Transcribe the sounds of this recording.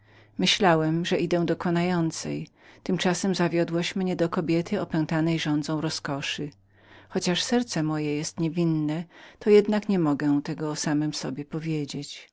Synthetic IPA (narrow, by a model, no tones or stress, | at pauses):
mɘɕlawɛmʐɛʔid̪ɛ̃w̃d̪ɔkɔnajɔnt̪sɛ̰j | t̪ɘmt͡ʂasɛmzavʲjɔd̪wɔɕmɲɛd̪ɔkɔbʲjɛt̪ʰɘɔpɛ̃w̃t̪anɛjʐɔnd̪zɔ̃w̃ɾɔskɔʂɘ | xɔt͡ɕaʂsɛɾt̪sɛmɔjɛjɛst̪ɲevʲinːɛt̪ɔjɛd̪nakɲɛmɔɡɛ̃t̪ɛɡɔsamɛmsɔbʲjɛpɔvʲjed͡ʑet͡ɕ